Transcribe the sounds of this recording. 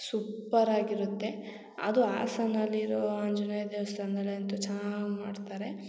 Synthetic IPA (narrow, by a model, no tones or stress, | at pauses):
supːɐɾaːɡiɾut̪ːe̞ | ɐ̰d̪ua̰ːsɐnɐlːiɾoaɲd͡ʒunɐjd̪eʋɐst̪ɐnd̪ɐleɐnt̪ut͡ʃɐnaɡmaːɖt̪aːɾe̞